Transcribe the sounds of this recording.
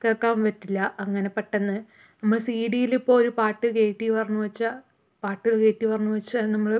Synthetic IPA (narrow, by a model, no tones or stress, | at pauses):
keːɭkːaːmʋɐtːilːɐɐŋːɐne̞pːɐʈːenːɨ | nɐmːɐɭsiːɽijilipːo̞ːɾupaːʈːɨkeːʈːipɐrɐɲːuʋɐt͡ɕːa | paːʈːiɭke̞ːʈːipɐrɐɲːuʋɐt͡ɕːanɐmːɐɭ